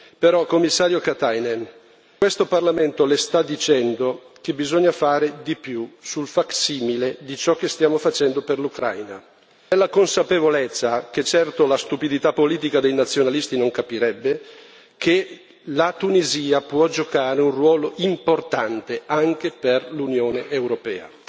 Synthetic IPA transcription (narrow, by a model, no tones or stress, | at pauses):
peɾɔkomːisːaːɾjokat̪ajnen | kwest̪oparlament̪olest̪ad̪ːit͡ʃɛnd̪o | k̟ebizoɲːafaːɾed̪ipjusulfaksiːmiled̪it͡ʃɔk̟ːest̪jaːmofat͡ʃɛnd̪operlukɾa̰jna | lːakonsapevolet̪sːaket͡ʃːɛrt̪olast̪upid̪it̪apːoliːt̪ikad̪ejnat̪sːjonalist̪inoŋkapiɾɛbːe | kʰe | lat̪uniziːapwɔd͡ʒokaːɾeunrwɔːloʔimport̪ant̪eaŋk̟eperlunjoːneʔewɾopɛ̰ːa̰